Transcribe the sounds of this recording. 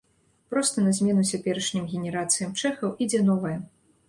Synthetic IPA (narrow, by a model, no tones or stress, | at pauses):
pɾɔst̪ɐnɐzʲmʲɛnut͡sʲapʲɛɾɐʂnʲimɣʲɛnʲɛɾat̪sɨjɐmt͡ʂɛxɐwʔid͡zʲɛnɔvɐjɐ